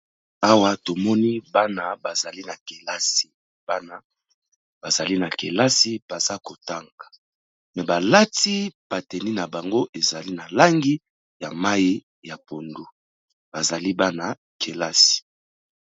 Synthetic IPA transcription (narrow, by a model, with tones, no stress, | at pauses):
a˦wa˦to˨mɔ˦ni˦ba˦na˦ba˨za˨li˦na˨ke˨la˦si̥˨ | ba˦na˦ | b̥a˨za˨li˦na˨ke˨la˦si˦b̥a˨za˦ko˨ta˦ŋɡa˨ | mɛ˨ba˨la˦ti˦b̥a˨tɛ˨ni˦na˨ba˨ŋɡo˦ʔe˨za˨li˦na˨la˦ŋɡi˦ | ja˨ma˦ji˦ | ja˨po˨ndu˦ | b̥a˨za˨li˦ba˦na˦ | kʰe˨la˦si̥˨